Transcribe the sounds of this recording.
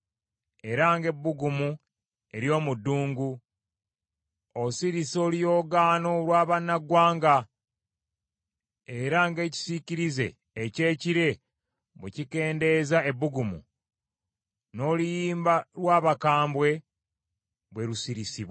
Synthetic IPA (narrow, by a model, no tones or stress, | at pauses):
e̞ɾaŋɡe̞bːuɡumu | e̞ɾjo̞ːmudːuːŋɡu | osiɾiso̞lijo̞ːɡano̞lwaːβanːaɡwaːŋɡa | eɾaŋɡe̞ːci̥siciɾize̞̰ː | ce̞ːciɾe̞ | βwecike̞ːnde̞zae̞buɡumṵ | no̞ːlujiːmbalwaːβakaːmbwe̞ | βwe̞ɾusiɾisiβwa